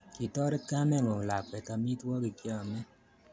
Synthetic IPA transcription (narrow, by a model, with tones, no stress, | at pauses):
ki˨tɔ˦ɾɛ˦ka˦nɛ˦ŋɔ˨la˨kɛ˨ka˨mi˦twɔ˦ɡi˨kjɔ˦˨mɛ˦